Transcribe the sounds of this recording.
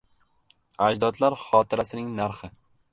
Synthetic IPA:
ad͡ʒd̪ɒt̪laɾχɒt̪ʰɪɾasɪnɪŋnaɾχɪ

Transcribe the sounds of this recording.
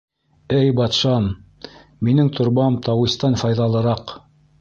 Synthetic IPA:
ɘjbɑt̪ʃɑn | minɘŋt̪ʰŏɾbɑmt̪ɑwist̪ɑnfɑjðɑlˠɤ̆ɾɑq

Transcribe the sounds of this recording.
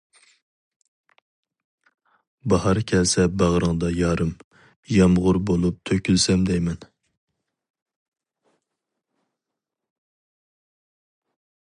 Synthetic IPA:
bɑhɑɾkʲʰɛlsɛbæʁɾɨŋd̪ɑjɑːɾɨm | jɛmʁʊɾbolˠup̚t̪ʰøkʲylsɛmd̪ɛjmɛn

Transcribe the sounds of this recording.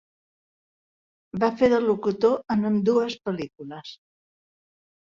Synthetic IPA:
bafeðəlukut̪oənəmd̪uəspəlikuləs

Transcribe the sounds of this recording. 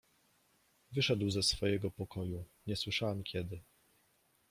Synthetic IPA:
vɘʂɛd̪wzɛsfɔjɛɡɔpɔkɔjuɲɛswɘʂawamkʲɛd̪ɘ

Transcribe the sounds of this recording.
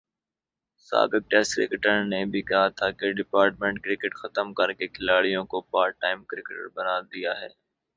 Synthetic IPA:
sa̰ːbɪk̚ʈɛːskɾɪ̰kɪʈəɾnebʱikɐɦat̪ʰakeɖɪpaːɾʈmẽɳʈ̚kɾɪkɪʈxət̪əmkəɾkekʰɪlaːɽijõkopaːɾ̚ʈːaːɪmkɾɪkɪʈə̰ɾbənaːd̪ɪjaːɦɛ̰ː

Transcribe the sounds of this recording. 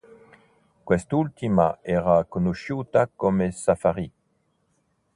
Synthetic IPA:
kwɛst̪ult̪imaɛʁakonoʃut̪akɔmesafaʁi

